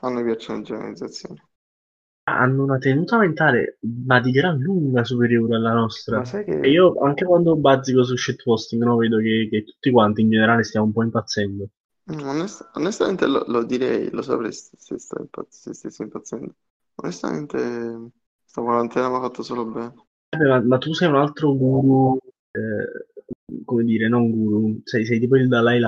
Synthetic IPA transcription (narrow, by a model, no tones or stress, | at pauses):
anːopjat͡ʃːaned͡ʒona̰lid̪zːat̪sːjoːne | a̰ʔa̰nːounat̪enuːt̪ament̪aːlḛmad̪iɡɾaluŋɡasupeɾjoːɾealːanɔst̪ɾasiːoaŋk̟ekwand̪obazikos̬uʃːɛt̪ːpɔst̪iŋɡnɔveːd̪ok̟ek̟et̪ːu̥t̪ːikwant̪iːnd͡ʒeneɾaːlest̪jamoumpɔimpat̪sːɛnd̪o | onest̪aonest̪ament̪ḛlo̰lod̪iɾɛ̰jlosɔ̰pɾkesesḛst̪a̰ḭmpa̰t̪sest̪esːoimpat̪sːɛnd̪o | onest̪a̰mḛnt̪ʰe | st̪akwaɾant̪ʰɛːnamafat̪ːosoːlobɛːne | bɛmamat̪ːusɛjunalt̪ɾoɡuːɾu | ɛ | komed̪iːɾenoŋɡuːɾusɛjs̬ɛjt̪iːp̬oildlajla